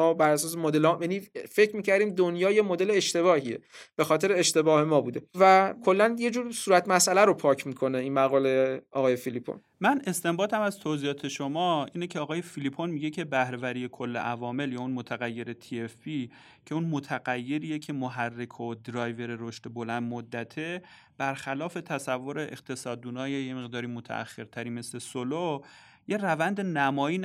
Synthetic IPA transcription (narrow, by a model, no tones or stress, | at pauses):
ɒbæɾæsɒːs̬emod̪elhɔjænife̞cʰɾmiːcʰæɾd̪iːmd̪onjɒːjemod̪e̞leeʃt̪e̞βɒːhiḛb̥e̞xɒːt̪ʰe̞ɾeːʃt̪e̞bɒːhe̞mɒːbuːd̪e̞vækʰo̞lːænjed͡ʒuːɾsuːɾæt̪ʰmæsʔælæɾopʰɒːcʰmiːkʰo̞ne̞iːnmæɣɒːleɒːɣɒːjefilipʰo̰n | mæne̞st̪e̞mbɒːd̪æmæzt̪ʰoziːjɒːt̪ʰeʃomɒːiːnecʰeɒːɣɒːje̞filipʰonmiɟe̞cʰe̞bæhɾe̞væɾije̞kʰolːeʔævɒːme̞ljɒːunmot̪ʰæɣæjːe̞ɾe̞t̪ʰiefpi | cʰe̞unmot̪ʰæɣæjːe̞ɾiːjecʰe̞moɦærːekʰod̪ɾɒːjve̞ɾeɾoʃt̪ebolænd̪mod̪ːæt̪ʰe̞ | b̥æɾxælɒːfe̞t̪ʰæsævːo̞ɾe̞ʔeqt̪ʰe̞sɒːd̪ːuːnɒːjejeme̞ɣd̪ɒːɾimot̪ʰæ̰æ̰xːe̞ɾt̪ʰæɾiːme̞sle̞solo | je̞rævænd̪enæmɒːiːn